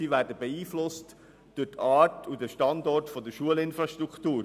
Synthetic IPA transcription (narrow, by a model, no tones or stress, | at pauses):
iʋɛɾdəbeiːflʊst | d̥ʊtʰɑːtʰudəʃtɑndɔɹtfodəʃuəlɪnfɾɑʃtɾuktuːɾ